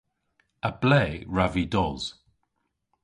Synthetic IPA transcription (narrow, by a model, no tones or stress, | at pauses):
əb̥lɛːɹavidɔz̥